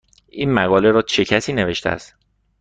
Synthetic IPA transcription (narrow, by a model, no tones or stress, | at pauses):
ʔiːnmæɣɒːle̞ɾɒːt͡ʃʰecʰæsiːne̞ve̞ʃt̪eæ̰st̪